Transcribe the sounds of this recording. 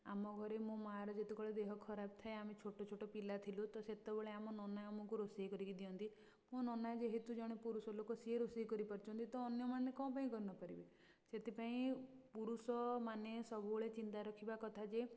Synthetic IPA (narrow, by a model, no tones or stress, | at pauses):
amɔɡʱɔɾemũmɔɦaɾɔd͡ʒet̪ukɔɭed̪eɦɔkʰɔɾab̚t̪ʰaeamet͡ʃʰoʈot͡ʃʰoʈɔpilat̪ʰilut̪ɔset̪ɔbeɭeamɔnɔnajɔmɔ̃kuɾosiɦkɔɾikid̪iɔnt̪i | mũnɔnajd͡ʒeɦet̪ud͡ʒɔɽ̃epuɾusɔlokosieɾosiɦkɔɾipɔɾt͡ʃʰɔnt̪it̪ɔːnjɔmanekɔ̃p̬aĩkɔɾinɔpaɾibe | set̪ʰipaĩpuɾusɔmanesɔbʱuboɭet͡ʃint̪aɾɔkʰibakɔt̪ʰad͡ʒe